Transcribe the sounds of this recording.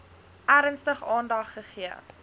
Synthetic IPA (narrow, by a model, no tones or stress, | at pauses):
ʔæːɾənstəχɑːndɐχːəχiə